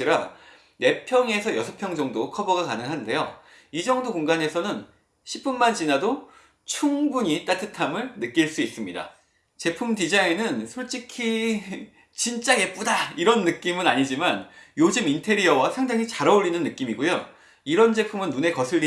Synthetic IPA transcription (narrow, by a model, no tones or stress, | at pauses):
iɾa | ne̞pʰjʌŋe̞sʰʌjʌsʰʌpʰjʌŋd͡ʑʌŋdokʰʌbʌɡakanɯŋɦande̞jo | id͡ʑʌŋdokoŋɡane̞sʰʌnɯn | ɕʰip͈unmant͡ɕinado | t͡ɕʰuŋbuɲit͈atʰɯtʰamɯɭnɯk͈iɭs͈uis͈ɯmɲida̰ | t͡ɕe̞pʰumtid͡ʑaŋenɯnsʰoɭt͡ɕ͈ikʰi | t͡ɕint͡ɕ͈ae̞p͈udaiɾʌnːɯk͈imɯnaɲid͡ʑimanjod͡ʑɯmintʰe̞ɾiʌwasʰaŋdaŋit͡ɕaɾʌuɭːinɯnːɯk͈imiɡojo | iɾʌnd͡ʑe̞pʰumɯnːune̞kʌsʰɯɭːi